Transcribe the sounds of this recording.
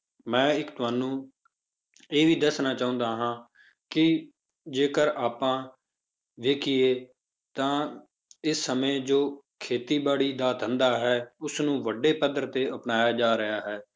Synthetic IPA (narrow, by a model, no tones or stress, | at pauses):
mɛ̃ːɪkt̪ʊaːnũː | eːʋiːd̪əsnaːt͡ʃaːʊ̃nd̪aːɦãː | kɪ | d͡ʒeːkəɾaːpːãː | ʋeːkʰɪjeː | t̪ãː | ɪsːəmẽːd͡ʒoː | kʰeːt̪iːbaːɽiːd̪aːd̪ʰʱə̃nd̪aːɦɛːʊsnũːʋəɖeːpəd̪əɾt̪eːʔəpnaːjaːd͡ʒaːɾɪɦaːɦɛː